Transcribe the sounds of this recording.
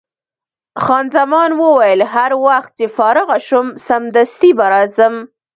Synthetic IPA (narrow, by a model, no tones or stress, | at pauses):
xɑnzamɑnwəwajəlɦaɾwaxt̪̚t͡ʃefɑɾəɣaʃʊmsamd̪ast̪ibaɾɑzəm